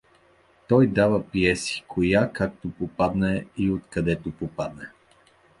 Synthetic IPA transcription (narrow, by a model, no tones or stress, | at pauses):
t̪ɔjd̪avəpiɛsi̥kʰojakak̚t̪opopad̪nɛiot̪kɐd̪ɛt̪opopad̪nɛ